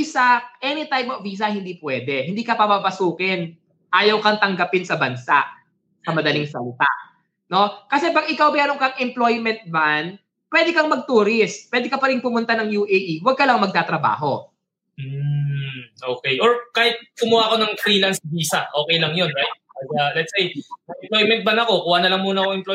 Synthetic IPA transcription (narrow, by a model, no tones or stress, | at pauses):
isaʔɛnɪt̪ajpɐfviːs̬ɐhɪnd̪iːpwɛːd̪ɛhɪnd̪iːkɐpɐmapɐsuːkɪn | ʔaːjɐwkɐŋt̪ɐŋɡɐpɪnsɐbɐnsaʔ | sɐmɐd̪ɐlɪŋsɐlɪt̪a̰ʔ | no̞kɐsɛbɐɡɪkawmɛːɾoŋkɐŋʔɪmplo̞jmɛnt̪̚man | pwɛːd̪ɛkɐŋmɐɡ̚t̪uːɾɪst̪̚pwɛːd̪ɪkɐpɐɾɪnpʊmʊnt̪anɐŋjuʔeʔiwɐɡ̚kɐlɐŋmɐɡ̚t̪aːt̪ɾɐba̰ːɦo̞ | m̩ | ʔo̞ːkɛjʔoɹkaːhɪt̪̚kʊmʊwaʔɐko̞nɐŋfɾiːlɐnsɐbiːsɐʔo̞ːkɛjlɐŋjo̞nɹajt̪̚ːzɐlɛt̪sejsɐŋɛmplojmɛnt̪̚banɐko̞kuwanɐlɐŋmuːnɐkoŋɛmpl